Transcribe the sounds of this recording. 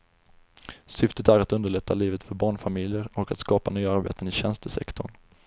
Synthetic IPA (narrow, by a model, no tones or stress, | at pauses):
sʏft̪ət̪æɾat̪ɵnd̪əɭɛt̪ʰːaliːvət̪fœɾbɑːɳfamɪljəɾɔkat̪skɑːpanyːaaɾbḛːt̪ənɪɕɛnst̪əsɛ̰kt̪ʰʊɳ